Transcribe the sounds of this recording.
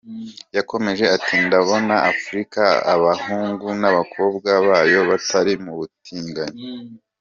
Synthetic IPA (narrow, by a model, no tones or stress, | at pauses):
jako̞me̞ʒe̞atʰindaβo̞naʔafuɾikaa̰βahuːŋɡunaβakʰo̞ːb̚ɡaβaːjo̞βatʰaɾimuβutʰiːŋɡaɲo